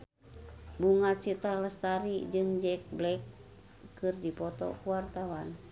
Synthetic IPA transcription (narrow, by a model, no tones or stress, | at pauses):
buŋat̪̚t͡ʃit̪aləst̪aɾid͡ʒɨŋd͡ʒɛk̚blɛkː | ɨrdipɔt̪ɔ̰kuwart̪awan